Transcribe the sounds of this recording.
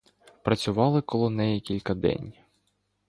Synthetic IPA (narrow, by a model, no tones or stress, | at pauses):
pɾɐt͡sʲʊʋɑlˠɪkɔlˠɔnɛjɛkʲilʲkɐd̪ɛ̰nʲ